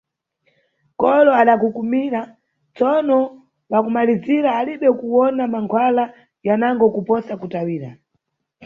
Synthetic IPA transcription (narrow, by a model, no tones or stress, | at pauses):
kɔlɔaɗakukumiɾa | t͡sɔnɔ | wakumaliziɾaːliɓɛkuwɔnamaŋkʰwala | janaŋɡɔkupɔsakutawiːɾa̰